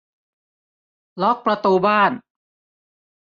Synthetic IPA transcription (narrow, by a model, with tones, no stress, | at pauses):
lɔ˦˥k̚pɾa˧t̪uː˧baː˥˩n